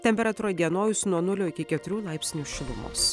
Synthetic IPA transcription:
t̪ʲɛmʲpʲɛɾɐt̪uːɾɐd̪ʲiɛnoːjʊsʲnuɔnʊlʲoːɪkʲɪkʲɛt̪ʊɾʲuːlˠɑˑɪpʲsʲnʲuːʃʲɪlˠʊmo̰ːs

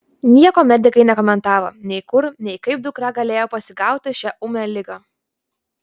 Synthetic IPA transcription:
nʲiɛkoːmʲɛd̪ʲɪkɐɪnʲɛkɔmʲɛnt̪ɑːʋoːnʲɛɪkʊɾnʲɛɪkɐɪp̚d̪ʊkɾɑɡɐlʲeːjoːpɐsʲɪɡɑˑʊt̪ʲɪʃʲæʔʊmʲɛːlʲɪɡɑː

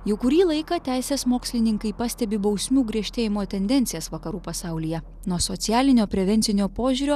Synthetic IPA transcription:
jɛʊkʊɾʲiːlˠɐɪkɑːt̪ʲæˑɪsʲeːsmoːksʲlʲɪnʲɪŋkɐɪpɑsʲt̪ʲɛbʲɪbɐʊsʲmʲuːɡɾʲiɛʃʲt̪ʲeːjɪmoːt̪ʲɛnʲd̪ʲɛnʲt̪ʲɪjɛːsʋɐkɐɾuːpɐsɑˑʊlʲijɛ | nuɔsoːt̪sʲjæːlʲɪnʲoːpʲɾʲɛʋʲɛnʲt̪ʲɪnʲoːpoːʒʲuːɾʲoː

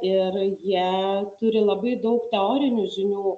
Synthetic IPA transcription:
ɪrjiɛt̪ʊɾʲɪlˠɐbɐɪd̪ɐʊkt̪ʲɛoːɾʲɪnʲuʒʲɪnʲuː

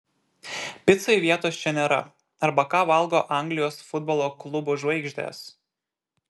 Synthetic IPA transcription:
pʲɪt̪sɐɪʋʲiɛt̪oːst͡ʃʲɛnʲeːɾɐ̰ | ɐɾbɐkɑːʋɐlˠɡoːʔɑˑŋɡlʲɪjoːsfʊd̪̚bɔlˠoːklˠʊbʊːʒʋɐɪɡʒʲd̪ʲḛːs

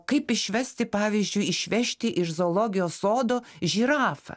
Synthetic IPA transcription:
kɐɪpɪʃʲʋʲɛsʲt̪ʲɪpɑːʋʲiːzʲd͡ʒʲʊɪɪʃʲʋʲɛʃʲt̪ʲɪʔɪʃzoːlˠoːɡʲɪjoːsoːd̪oːʒʲiːɾɑːfɐ̰

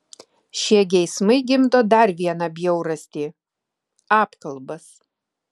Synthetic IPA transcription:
ʃʲiɛɡʲɛɪsmɐɪɡʲɪmt̪oːd̪ɐɾʋʲiɛnɐbʲjɛʊɾɐsʲt̪ʲiː | ɑːpkɐlˠbɐs

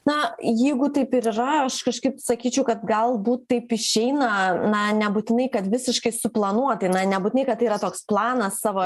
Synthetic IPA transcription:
nɐjɛɪɡʊt̪ɐɪpɪɾirɐɐʃkɐʃkɐɪpsɐkʲiːt͡ʃʲɛʊkɐt̪ɡɐlˠbuːt̪tːɐɪpɪʃʲɛɪnɐnɐnʲɛbuːt̪ʲɪnɐɪkɐt̪ʋʲɪsʲɪʃkɐɪsʊplˠɐnuɔt̪ɐɪnɐnʲɛbutʲɪnɐɪkɐt̪ɐiːɾɐt̪oːksplˠɑːnɐsːɑːʋoː

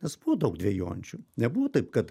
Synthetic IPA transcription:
nʲɛsb̥uʋɔd̪ɐʊk̚d̪ʲʋʲiɛjo̰ːnʲt͡ʃʲʊnʲɛbuʋɔt̪ɐɪpkɐt̪

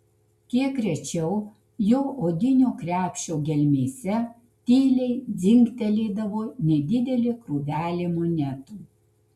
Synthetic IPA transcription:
kʲiɛkːɾʲɛt͡ʃʲɛʊ | jɛʊʔoːd̪ʲɪnʲuːkɾʲæːpʲʃʲoːɡʲɛlʲmʲeːsʲɛ | t̪ʲiːlʲɛɪd̪zʲɪŋʲkt̪ʲɛlʲeːd̪ɐʋoːnʲɛd̪ʲɪd̪ʲɛlʲɪkɾuːʋʲæːlʲɪmonʲɛt̪uː

